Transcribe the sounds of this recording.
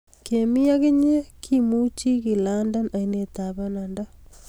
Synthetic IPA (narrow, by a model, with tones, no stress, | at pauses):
ke˨mi˦a˦ke˦ɲe˦kʰi˦mu˦t͡ʃi˦ki˨landa˦na˨i˦ne˨ta˨βa˦na˨nda˦